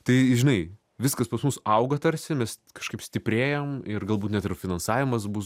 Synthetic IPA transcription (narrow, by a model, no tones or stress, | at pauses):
t̪ɐɪʒʲɪnɐɪ | ʋʲɪskɐspɐsmʊsɐʊɡɐt̪ɐɾʲsʲɪmʲɛs | kɐʃkɐɪpsʲt̪ʲɪpʲɾʲeːjomɪrɡɐlˠbuːt̪nʲɛt̪ɪrfʲɪnɐnsɑːʋʲɪmɐsbʊs